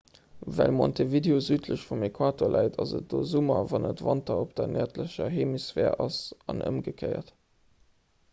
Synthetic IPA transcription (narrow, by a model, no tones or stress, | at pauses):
vælmontʰevideozyːtʰləɕfumekʰwaːtoːlʔæɪtʰɑzət̚d̥oːzumɐvɑnətvɑntɐop̚d̥ɐnʔɛːɐtləɕɐɦeːmisvɛːɐɑsɑnʔə̰mɡəkʰɜɪɐ̰t